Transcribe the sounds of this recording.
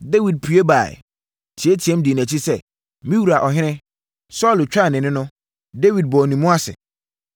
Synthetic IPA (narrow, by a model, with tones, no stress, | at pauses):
de˦wi˨d̚pʰu˨e˦ba˨ɪ̰˨ | tʰi˨e˦tʰi˨ɛ̃˦mdi˨n˨æ̃˨t͡ɕʰi˦sɛ˦˨ | mĩ˦wu˨ɾa˨ʔɔ˨ɦɪ̃˦nɪ̃˦ | sɔ˦˨lt͡ɕᶣa˦˨nɪ̃˨nɪ̃˦nʊ̃˦ | de˦wi˨d̚bɔː˨nĩ˨mʊ̃˦a˦sɪ̰˨